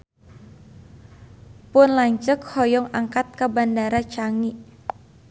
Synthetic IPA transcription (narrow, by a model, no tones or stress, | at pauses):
pʊnlaɲt͡ʃəkhɔjɔŋaŋkat̪̚kabandaɾat͡ʃaŋiʔ